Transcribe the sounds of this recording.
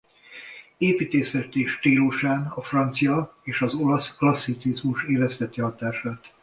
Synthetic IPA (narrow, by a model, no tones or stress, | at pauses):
eːpiːt̪eːsɛt̪eːʃt̪iːluʃaːnɒfrɒnt̪sijɒeːʃɒzo̞lɒsklɒsːit̪sizmuʃeːvɛst̪ɛt̪ːɛɦɒt̪aːʃaːt̪